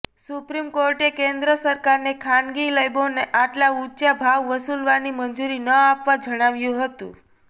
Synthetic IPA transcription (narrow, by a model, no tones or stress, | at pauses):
supɾimkoɾʈekẽnd̪ɾəsəɾkaɾnekʰanɡiləjboneʔaʈlaut͡ʃabʱaʋːəsulʋanimənd͡ʒuɾinəapʋad͡ʒəɽ̃aʋjũɦət̪ṵ̃